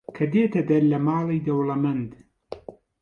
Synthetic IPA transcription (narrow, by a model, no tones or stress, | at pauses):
kʰɐd̪eːt̪ʰɐd̪ɐɾlɐmaːlijd̪ɐwlɐmɐnd̪